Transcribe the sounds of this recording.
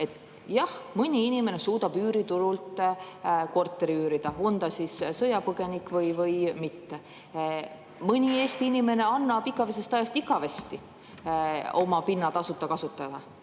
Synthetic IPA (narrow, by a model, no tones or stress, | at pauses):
e̞t̪ːˑ | jɑhmɯnʲiinime̞ne̞suːd̪̥ɑb̥yːɾit̪uɾult̪ | ko̞rt̪ːˑe̞ɾiyːɾid̪̥ɑo̞nt̪ɑsissɤjɑpɤɡe̞nikˑvɤjvɤjmit̪ːe | mɤnʲie̞ːst̪iinime̞ne̞ɑnːɑbiɡɑves̬e̞st̪ɑjɑst̪iɡɑvest̪i | o̞mɑpinːɑt̪ɑsut̪ːˑɑkɑsut̪ˑːɑd̪̥ɑ